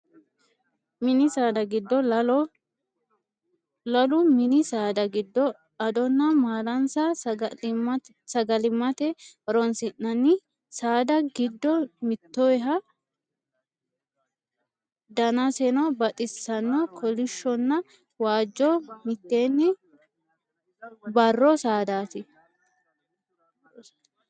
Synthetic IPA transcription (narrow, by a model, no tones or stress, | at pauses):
mɪnɪsaːd̪ɐɡɪd̪ːɔ | lɐlʊmɪnɪsaːd̪ɐɡɪd̪ːɔ | ɐd̪ɔnːɐmaːlɐnsɐ | sɐɡɐlɪmːɐt̪ɛ | ɾɔnsɪnːɐnːɪ | saːd̪ɐɡɪd̪ːɔmɪt̪ːɔɛɦɐ | d̪ɐnɐsɛnɔbɐt̪ʼɪsːɐnːɔkʰɔlɪʃːɔnːɐ | waːd͡ʒːɔmɪt̪ːeːnːɪ | bɐrːɔsaːd̪aːt̪ɪ